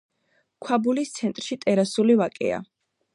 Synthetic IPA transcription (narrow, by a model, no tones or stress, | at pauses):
kʰwabulist̪sʰɛnt̪ʼɾʃit̪ʼɛɾasulivakʼɛ̰a̰